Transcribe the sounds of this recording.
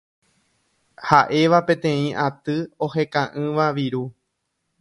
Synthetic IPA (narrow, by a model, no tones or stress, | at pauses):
haʔe̞ʋapẽ̞t̪ẽ̞ĩʔat̪ɨo̞he̞kãʔɨ̃ʋaʋiɾu